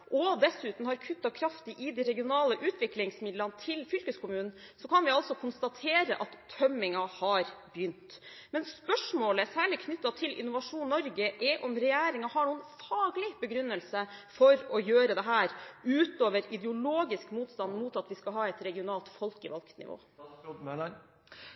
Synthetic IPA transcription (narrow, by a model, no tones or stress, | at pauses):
ʔɔd̪ɛsʉːt̪n̩hɑɾkʰʉt̪ːɑkʰɾɑft̪ɪʔɪd̪iɾɛɡɪʊnɑːləʔʉːt̪ʰʋɪklɪŋsmɪd̪lɑnət̪ʰɪlfʏlkəskʰʊmʉːnn̩ | sɔkʰɑnʋɪɑlt̪sɔkʰʊnst̪ɑt̪ʰeːɾəʔɑt̪ʰːœmːɪŋɑhɑɾbjʏnt̪ | mɛnspœʂmoːləsæːɭɪkʰnʏt̪ːɑt̪ʰɪlʔɪ̰nʊʋɑʂuːnnːɔɾɡəʔɛʔɔmɾɛjæːɾɪŋɑhɑɳuːənfɑːɡlɪbəɡɾʉnːəlsəfɔɾɔjøːɾəd̪ɛɦæːɾʉːt̪oːʋəɾɪd̪ɛʊloːɡɪskmuːt̪st̪ɑnd̪muːt̪ɑt̪ʋɪskɑɦɑːɛt̪ɾɛɡɪʊnɑːlt̪fɔlkəʋɑlkt̪nɪ̰ʋo̰ː